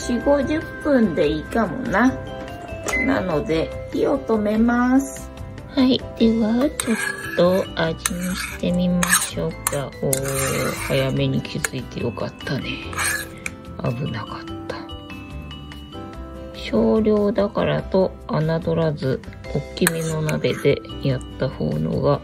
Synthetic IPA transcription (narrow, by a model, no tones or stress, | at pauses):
ɕiɡo̞ʑɨpːɯ̃nd̪e̞ikamo̞̰na | na̰no̞d̪e̞hiot̪o̞me̞masɨ̥ | haid̪̥e̞βat͡ɕo̞t̪ːo̞ad͡ʑiɲiɕi̥t̪e̞mʲimaɕo̞kːaoːhajame̞ɲ̟ikʲʰizɨit̪e̞jo̞kat̪ːane | a̰bɯ̟nakḁt̪ːḁ | ɕo̞ːɾʲo̞ːd̪akaɾa̰t̪o̞ | anad̪o̞ɾazɨ | okʲːimʲino̞nabe̞d̪e̞̰jat̪ːaho̞̰ːno̰ɡa